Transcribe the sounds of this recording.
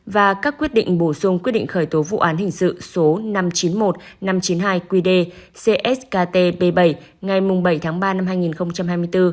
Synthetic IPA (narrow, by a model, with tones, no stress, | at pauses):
vaː˨˩kaː˦˥kːwi˦˥ət̚ɗḭ˧˨ŋ̟ɓo˧˩sʊ˧ŋ͡mkwi˦˥ɗḭ˧˨ŋ̟xəː˧˩jt̪o˨˦vṵ˧˨ʔaː˨˦nɦï˨˩ŋ̟sɨ̰˧˨so˨˦na˧mt͡ɕi˨˦nmo˨˩t̚na˧mt͡ɕi˨˦nɦaː˧jkwi˧ɗe˧ | se˧ʔɛ˦˥skaː˧t̪e˧ɓe˧ɓə˧˩jŋa˨˩jmʊ˨˩ŋ͡mɓə˧˩jt̪ʰaː˨˦ŋɓaː˧na˧mhaː˧jŋi˨˩nxə˧wŋ͡mt͡ɕa˧mɦaː˧jmɨ˧əjt̪ɨ˧